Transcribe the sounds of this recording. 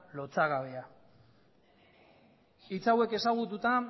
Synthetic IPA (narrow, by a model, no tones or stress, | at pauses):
lo̞t͡saɣaβea | it͡sawe̞ke̞saɣ̞ut̪ut̪a